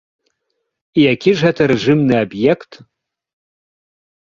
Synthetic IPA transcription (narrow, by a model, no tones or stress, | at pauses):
iakʲʰɪʐatʰaɾɨʐɨmnɨabjekʰtʰ